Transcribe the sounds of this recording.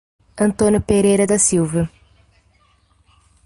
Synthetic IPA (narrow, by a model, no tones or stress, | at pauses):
ɐ̃nt̪õnjʊpeɾejɾɐd̪ɐsiwvɐ